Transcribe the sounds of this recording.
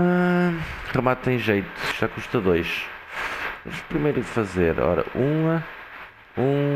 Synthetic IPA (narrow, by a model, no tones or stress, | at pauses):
a | ʁɨmat̪̚t̪ːɐ̃j̃ʒejt̪u̥ʒ̥akuʃt̪ɐðojʃ | ɐ̰mʃpɾimejɾðfɐzeɾɔ̰ɾɐ̰ʔũɐ | ũ